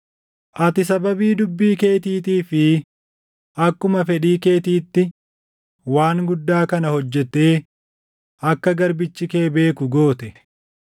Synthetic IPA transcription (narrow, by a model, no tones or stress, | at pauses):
ʔɐt̪ɪsɐbɐbiːd̪ʊbːiːke̞ːt̪iːt̪iːfɪ | ʔɐkːʊmɐfɛɗiːke̞ːt̪iːt̪ːɪ | waːŋɡʊd̪ːaːkɐnɐhɔd͡ʒːɛt̪ːe̞ː | ɐkːɐɡɐɾbɪt͡ʃːɪkeːbe̞ːkʊɡo̞ːt̪ɛ